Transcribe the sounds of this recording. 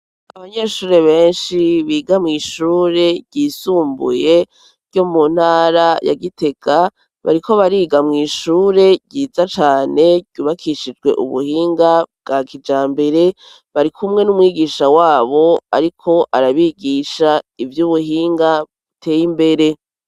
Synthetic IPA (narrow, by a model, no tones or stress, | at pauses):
aβaɲeʃuːɾe̞βe̞ːnʃiβiːɡamŋiːʃuːɾe̞̥ɟiːsuːmbṵje̞ | ɾjo̞mun̥haːɾaja̰ɡite̞ɡ̥a | βa̰ɾikʰo̞βaɾiːɡamŋiːʃuːɾe̞ɟɟiːzat͡ʃaːne̞ɟ̥uβakʰiʃid͡ʒɡwe̞̰ʔṵβṵhiːŋɡab̚ɡakʰid͡ʒaːmbe̞ɾe̞ | βaɾikʰumŋe̞numwiːɡiːʃawaːβo̞a̰ɾikʰo̞ʔaɾaβiɡiːʃaivjuβuɦiːŋɡaβutʰe̞ːjimbe̞ɾe̞